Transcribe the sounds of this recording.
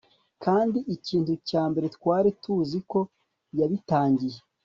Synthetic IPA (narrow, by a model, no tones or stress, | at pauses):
kaːndiʔiciːntucaːmbe̞ɾetwaːɾitʰuːziko̞ | jaβitaːɲɟije